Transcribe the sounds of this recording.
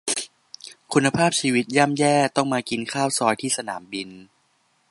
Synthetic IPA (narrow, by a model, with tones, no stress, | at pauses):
kʰu˧nːa˧pʰaː˥˩p̚t͡ɕʰiː˧wi˦˥t̪̚ja˥˩˨mjɛː˥˩t̪ɔ˥˩ŋmaː˧ki˧nkʰaː˥˩wsɔː˧jt̪ʰiː˥˩sa˧na̰ː˩˦mbi˧n